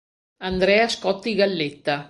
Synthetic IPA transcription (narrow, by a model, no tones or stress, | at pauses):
and̪ɾɛaskɔt̪ːiɡalːet̪ːa